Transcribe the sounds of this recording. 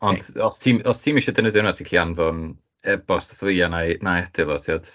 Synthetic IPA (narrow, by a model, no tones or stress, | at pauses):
ɔndɔstʰiːmɔstʰiːmiʃɔdənədɪnmatʰikɬʰianvɔn | ɛbɔsdaθlɨanajnajad̥ɪlˠɔtʰiɔd̥